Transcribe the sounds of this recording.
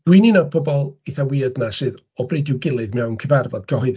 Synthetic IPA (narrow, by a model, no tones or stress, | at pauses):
d̥wininɔd̚pʰɔbɔlˠiθawiːadnasɨð | ɔbrejdɪwɡɪlˠɨðmɛwnkʰəvarvɔd̥̚ɡʰəɦʊð